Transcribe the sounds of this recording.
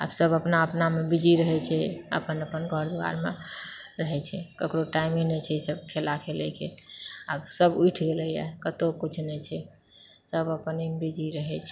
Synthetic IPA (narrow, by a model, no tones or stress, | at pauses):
a̰bsəbəpnaəpnamebid͡ʒiɾəɦɛt͡ʃʰɛə̰pənəpənkəɾd̪ua̰ɾme | ɾəɦɛt͡ʃʰɛkəkɾoʈaimenɛt͡ʃʰɛisəb̚kʰelakʰelɛkeabsəbujʈʰɡeləja̰kət̪okut͡ʃʰnɛt͡ʃʰɛ | səbəpənimbid͡ʒiɾəɦɛt͡ʃʰɛ